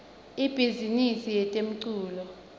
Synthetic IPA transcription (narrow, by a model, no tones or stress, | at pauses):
ib̥ʱizinisijɛtʼem̩ǀuːlɔ